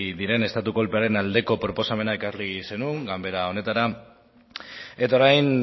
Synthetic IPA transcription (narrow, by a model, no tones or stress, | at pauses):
ðiɾe̞ne̞st̪at̪uko̞lpe̞aɾe̞nald̪e̞ko̞pɾo̞po̞same̞naekarlise̞nuŋɡambe̞ɾao̞ne̞t̪aɾa | e̞t̪aoɾajn